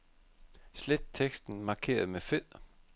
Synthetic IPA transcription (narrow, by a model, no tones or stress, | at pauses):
sled̥̚t͡sʰeɡ̥sd̥n̩mɑ̈ːkʰe̝̰ːɐð̞̩ˠmefeð̰ˠ